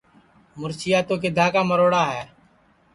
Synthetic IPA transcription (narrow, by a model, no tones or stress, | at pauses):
mʊɾsɪjaːt̪oːk̬ɪd̪ʱaːkaːməɾoːɽaːɦɛː